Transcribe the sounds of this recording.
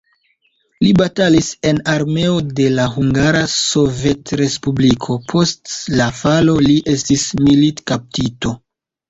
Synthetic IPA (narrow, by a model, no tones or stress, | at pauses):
libatalise̞naɾme̞o̞de̞laɦuŋɡaɾaso̞ve̞tɾe̞spublikʰo̞pʰo̞stlafalo̞liʔe̞stismilitkap̚tito̞